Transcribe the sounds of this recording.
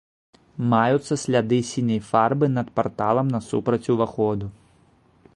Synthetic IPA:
majut̪sːɐsʲlʲad̪ɨsʲinʲɐjfarbɨnɐt̪part̪alˠɐmnɐsṵpɾɐt͡sʲuvaxɔd̪u

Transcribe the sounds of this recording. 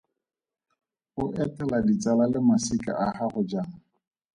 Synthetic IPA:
ʊʔɛtʼɛladit͡salalɪmasikʼa̰ʔahaɣʊd͡ʒaːŋ̩

